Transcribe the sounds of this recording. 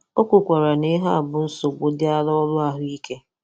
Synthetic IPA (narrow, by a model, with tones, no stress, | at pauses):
o˦kʷu˨kʷa˨ɾa˨ne˦ɦa˦a˨bʊ˨n̩˦so˨ɡ͡bo˦dɪ˦a˦lɔ˦lʊ˦a˦ɦʊ˦i˦ke˦